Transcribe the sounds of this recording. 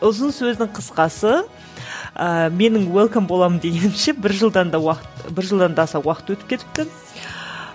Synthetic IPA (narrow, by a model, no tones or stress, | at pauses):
ʊzənsɵzd̪ɪɴqʰəsqɑsə | əme̞nɪŋwelˠkombo̞lˠɑmənd̪e̞ɡʲe̞nɪmʃebɪɾʒəlˠd̪ɑnd̪ɑɑqt̪bɪɾʒəlˠd̪ɑnd̪ɑːsɑwɑqə̥t̪wɵt̪ɪp̚kʲet̪ɪ̥p̚t̪ɪ